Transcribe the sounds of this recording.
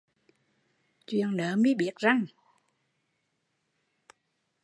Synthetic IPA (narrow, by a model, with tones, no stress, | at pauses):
t͡ɕwi˧˨ənləː˨˦mi˨˦ɓi˨˦˥ət̚za˧ŋ